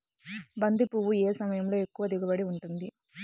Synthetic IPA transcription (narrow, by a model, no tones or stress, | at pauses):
bɐnd̪ipuʋueːsɐmɐjɐmlo̞ːe̞kːuʋɐd̪iɡɐbɐɽiuɳʈund̪i